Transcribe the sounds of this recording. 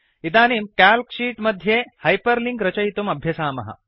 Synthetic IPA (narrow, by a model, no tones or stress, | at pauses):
id̪aːnimkælkɕiːʈmɐd̪ʱjehajpəɾliŋɡɾɐt͡ɕɐjt̪umɐbʱjɐsaːmɐ̰ɦɐ̰